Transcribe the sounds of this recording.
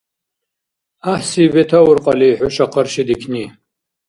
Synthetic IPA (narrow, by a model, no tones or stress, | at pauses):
aħsibetʰawʊrqʼaliːħʊʃaqʰərʃidikʲʰni